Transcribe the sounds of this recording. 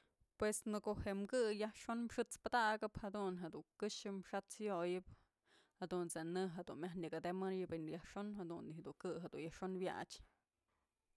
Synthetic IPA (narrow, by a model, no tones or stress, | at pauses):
pwesnɨkoʔheʔmɡɨjahʂonmʂɨt͡spad̪aʔɡɨphad̪unɦed̪uŋkɨʃɨmʂat͡sjojɨp̚ | had̪unt͡senɨɦed̪unmʲjahniɡad̪emɨɾjɨbenjahʂonhad̪unihed̪uŋkɨɦed̪ṵnjahʂonwja̰t͡ʃ